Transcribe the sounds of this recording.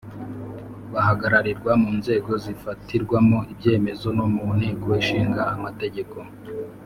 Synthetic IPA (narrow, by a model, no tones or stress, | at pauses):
βaɦaɡaɾaɾiɾɡwamuːnze̞ːɡo̞zifatiɾɡwamo̞ʔibɟe̞ːme̞zo̞nomun̥heɡoweʃiːŋɡaːmate̞ɟe̞ko̞